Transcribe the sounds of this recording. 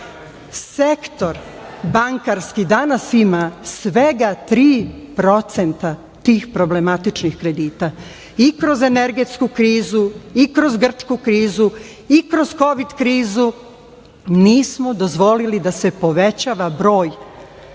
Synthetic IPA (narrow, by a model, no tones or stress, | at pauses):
sekt̪o̞ɾbaŋkaɾskid̪anasimasʋe̞ɡat̪ɾiːpɾo̞t̪sent̪a | t̪iːxpɾo̞ble̞mat̪it͡ʃnixkɾe̞d̪iːt̪a | ikɾo̞ze̞ne̞ɾɡe̞t̪skukɾiːzuikɾo̞zɡr̩t͡ʃkukɾiːzu | ikɾo̞zko̞ʋid̪kɾiːzu | niːsmod̪o̞zʋo̞lilid̪ase̞po̞ʋe̞t͡ɕaʋabɾo̞ːj